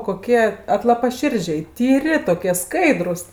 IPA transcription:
koːˈkʲiɛ ɐtlˠɐpɐˈʃʲɪrʲd͡ʒʲɛɪ tʲiːˈrʲɪ toːˈkʲiɛ ˈskɐɪdrʊs

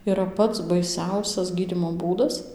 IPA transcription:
iːˈrɐ ˈpɐts bɐɪˈsʲɛʊsʲɛs ˈɡʲiːdʲiːmoː ˈbuːdɐs

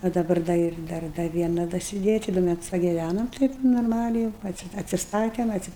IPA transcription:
ɐ dɐˈbɐr dɐ ˈɪr ˈdɐr dɐ ˈʋʲiɛnɐ dɐsʲɪˈdʲeːjɛ ˈt͡ʃʲɪ ˈdʊ ˈmʲæːtʊs pɐɡʲɪˈʋʲænoːm ˈtɐɪp noːrˈmɑːlʲɛɪ juːʊ ˈɑːtʲsʲɪ ɐtʲsʲɪˈstɑːtʲɛm ˈɑːtʲsʲɪ

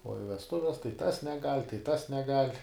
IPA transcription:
oː ɪ ʋʲɛsˈtʊʋʲɛs tɐɪ ˈtɐs nʲɛˈɡɐlʲ tɐɪ ˈtɐs nʲɛˈɡɐlʲ

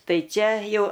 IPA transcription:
ˈtɐɪ ˈt͡ʃʲɛ ˈjɛʊ

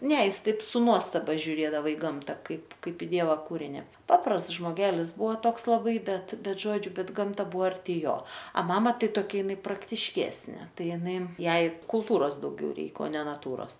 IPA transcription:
nʲɛ ˈjɪsˈtɐɪp sʊ ˈnuɔstɐbɐ ʒʲʊˈrʲeːdɐʋɐ ɪ ˈɡɐmtɐ ˈkɐɪp ˈkɐɪp ɪ ˈdʲiɛʋɐ ˈkuːrʲɪnʲɪ ˈpɑːprɐsts ʒmoːˈɡʲæːlʲɪs ˈbʊʋoː ˈtoːks lˠɐˈbɐɪ ˈbʲɛt ˈbʲɛt ˈʒoːd͡ʒʲʊ ˈbʲɛt ˈɡɐmtɐ ˈbʊʋoː ɐrʲˈtʲɪ ˈjoː ɐ ˈmɑːmɐ ˈtɐɪ toːˈkʲɛ ɪˈnɐɪ prɐktʲɪʃʲˈkʲæːsʲnʲeː ˈtɐɪ ɪˈnɐɪ ˈjɛɪ kʊlˠˈtuːroːs dɐʊˈɡʲɛʊ ˈrʲɛɪk oː ˈnʲɛ nɐˈtuːroːs

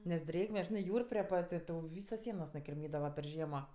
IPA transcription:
nʲɛs ˈdʲrʲeːɡmʲɛ ˈʒʲɪnɜ ˈjuːr pʲrʲiɛ ˈpɐtʲ ɪ ˈtɐʊ ˈʋʲiːsoːs ˈsʲiɛnoːs nʊkʲɪrʲˈmʲiːdɐʋɐ pʲɛr ˈʒʲiɛmoː

